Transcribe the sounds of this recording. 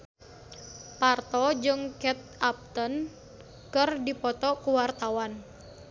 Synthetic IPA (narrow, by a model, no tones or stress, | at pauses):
part̪ɔd͡ʒɨŋkɛt̪̚ap̚t̪ən | kɨrdipɔt̪ɔkuwart̪awan